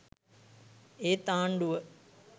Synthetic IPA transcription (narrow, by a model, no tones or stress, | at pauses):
eːt̪aːɳɖuʋə